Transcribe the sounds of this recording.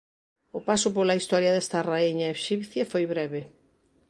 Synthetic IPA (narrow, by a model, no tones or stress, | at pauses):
ʊpasʊpolaist̪ɔɾjɐðɛst̪ɐraieɲaeʃipθjafojβɾɛβe